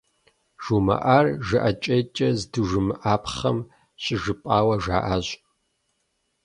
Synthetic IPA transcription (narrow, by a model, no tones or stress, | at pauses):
ʒ̥umɐ̰ʔaːrʒɨʔɐt͡ʃʼeːt͡ʃʼɐzdɨʒɨmʔaːpχɐm | ɕʼɪʒɨpʼaːwɐʒa̰ːʔaːɕ